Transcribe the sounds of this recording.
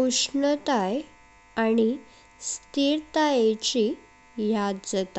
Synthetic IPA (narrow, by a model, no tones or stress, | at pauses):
uʂɳət̪aj | aɽ̃i | st̪iɾt̪ajet͡ɕi | jad̪d͡zət̪a